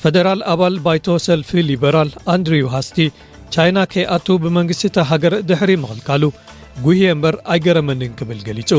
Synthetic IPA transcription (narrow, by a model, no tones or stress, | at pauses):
fed̪ɐɾalaβalbajt̪ʰo̞sɐlfilibɐɾaland̪ɾijuɦast̪ʰi | t͡ʃʰajnakʰɐjʔat̪ʰubɨmɐŋɡɨst̪ɨt̪ʰɐɦaɡɐɾd̪ɨħɾimɨxɨlkʰalu | ɡuhembɐɾajɡɐɾɐmɐnɨnkʰɨβɨlɡɐlit͡sʼu